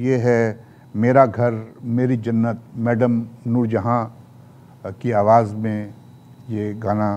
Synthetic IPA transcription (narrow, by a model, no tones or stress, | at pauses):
jeɦɛ | meːɾaɡʱɐɾmeːɾid͡ʒɐnːət̪̚mɛːɖəmnʊɾd͡ʒəɦã | kiaːʋaːzmẽ | jeɡaːna